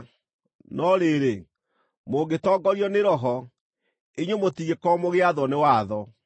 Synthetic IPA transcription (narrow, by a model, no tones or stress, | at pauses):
nɔɾeɾe | moːɡetɔːɡɔɾiɔneɾɔɦɔ | eɲwomotiɣekɔmoɣeaðɔnewaðɔ